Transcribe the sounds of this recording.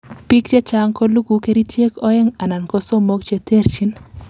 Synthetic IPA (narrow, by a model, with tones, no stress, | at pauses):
pi˦kt͡ʃe˦t͡ʃa˦ŋko˦lu˦ɡu˨ke˦ɾi˦tje˦kɔ˦ɛ˦ŋa˨na˨nkɔ˦so˦mo˦kt͡ʃe˦te˦ɾt͡ʃi˦n